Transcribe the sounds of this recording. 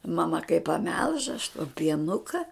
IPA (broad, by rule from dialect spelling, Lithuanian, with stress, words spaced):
mɐˈmɐ kɐɪ pɐˈmʲɛlˠʃ ɐʃ toː pʲiɛˈnʊkɐ